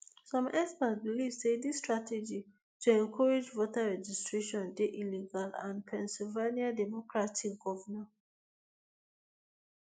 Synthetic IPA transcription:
sɔ̃mɛspasbilivsedistɹatɛd͡ʒi | tʰuɛ̃nkʰɔɹed͡ʒvotaɹɛd͡ʒistɹeʃɔ̃ndeʔiliɡalã̰npʰɛ̃nsilveniadɛmɔkɹatikɡɔvəna

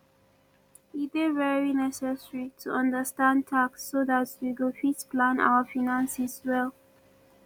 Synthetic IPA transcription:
itevɛɹinɛsɛsɹitʰuʔʌ̃ndəstãntʰaksːoðatwiɡofispʰlãna̰ʊəfinãnsiswɛlˠ

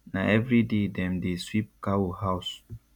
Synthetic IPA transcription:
nãɛvɾidedɛ̃mdeswip̚kawohaʊs

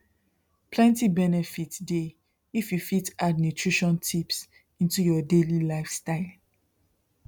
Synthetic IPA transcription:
pʰlɛ̃ntibɛnɛfitde | ifjufitadnutʰɹiʃɔ̃ntʰips | ĩntujɔdelilaɪfstaɪl

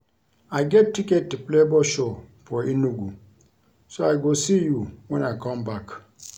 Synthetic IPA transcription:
aɪɡɛtːikɛtːuplebɔʃɔfɔinuɡu | soaɪɡosijuwɛ̃naɪkʰɔ̃mbak

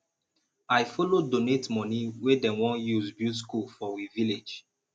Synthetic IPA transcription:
ajfɔlodonetmɔniwedɛ̃nwɔ̃njuzbjutskulfɔwiviled͡ʒ

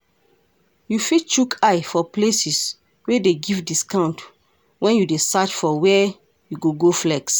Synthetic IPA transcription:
jufit͡ʃukʰajfɔplesis | wedeɡivdiskãw̃nt | wɛ̃njudesat͡ʃfɔwɛ | juɡoɡoflɛks

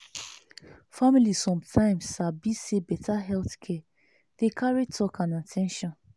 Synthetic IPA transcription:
familisɔ̃mtʰãɪ̃msabisebɛtʰaɦɛlθkʰɛ | d̥ekʰaɹitʰɔkãnatʰɛ̃nʃɔ̃n

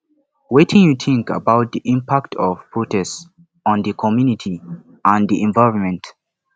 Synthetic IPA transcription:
wetʰĩnjuθʰɪ̃ŋkə̰bawt̚ðiʔĩmpʰak̚tʰɔv̥pʰɔtɛs | ɔ̃nðəkʰɔmjunitʰi | ãndiʔɛ̃nvaɪɹɔ̃nmɛ̃nt

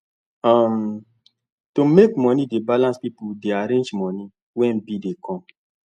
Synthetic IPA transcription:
am | tomekmɔnidebalãnspipudeaɾẽnd͡ʒmɔni | wɛ̃nbidekʰɔ̃m

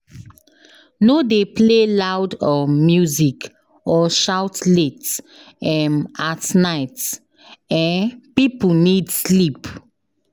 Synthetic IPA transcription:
nodeplelawdɔmjuzik | ɔʃawtlet | ɛ̃matnaɪt | ɛ̃npipl̩nidslip

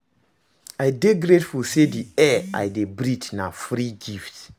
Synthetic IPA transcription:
ajdeɡɾetfulsediɛa̰jdebɾitnafɾiɡift

